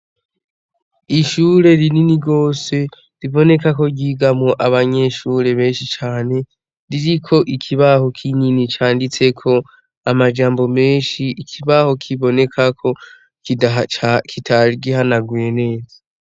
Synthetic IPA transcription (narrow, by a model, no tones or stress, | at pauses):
iʃuɾe̞ɾininiɡo̞ːse̞ | ɾiβo̞ne̞kako̞ɟiːɡamŋoʔaβaɲe̞ʃuːɾe̞βe̞ːnʃit͡ʃaːne̞ | ɾiɾikʰo̞ʔikʰiβaho̞kʰininit͡ʃaːndit͡se̞kʰo̞ | amad͡ʒaːmbo̞me̞ːnʃiːkʰiβaho̞kʰiβo̞ne̞kʰakʰo̞ | ki | kʰitʰaɾiɡiɦanaɡwene̞ːza